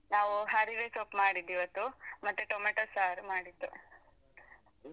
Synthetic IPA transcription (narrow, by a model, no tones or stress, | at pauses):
naːʋuɦaːɾiʋeːsoːpmaːɽid̪ːiʋɐt̪ːumɐt̪ːeʈoːmɐʈɐsaːɾmaːɽid̪ːu